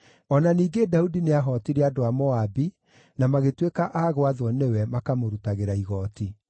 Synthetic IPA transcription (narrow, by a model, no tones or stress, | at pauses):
ɔnaniːɡedaudineaɦɔtiɾeadoamɔabi | namaɣetwekaʔaːɣoaðwɔnɛwɛmakamoɾutaɣeɾaiɣɔːti